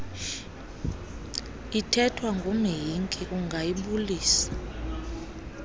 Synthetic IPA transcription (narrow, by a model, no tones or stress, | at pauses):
itʰɛtʰwaŋɡʱumijiŋkʼik̬ʼuŋɡʱajiɓuliːsḁ